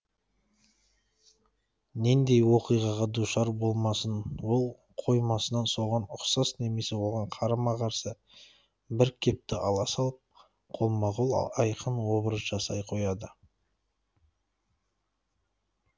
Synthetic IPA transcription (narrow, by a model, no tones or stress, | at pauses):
ne̞nd̪e̞jwo̞qijʁɑʁɑd̪uʃɑɾbo̞lˠmɑsənwo̞lˠ | qʰo̞jmɑsənɑnso̞ʁɑnʊqsɑsne̞me̞se̞wo̞lˠʁɑɴqʰɑɾɑmɑqʰɑɾsə | bɪɾkʲʰe̞p̚t̪ɪʔɑlˠɑsɑlˠəp̚ | qʰo̞lˠmɑʁolˠɑjqʰənwo̞bəɾəzʒɑsɑjqʰo̞jɑd̪ə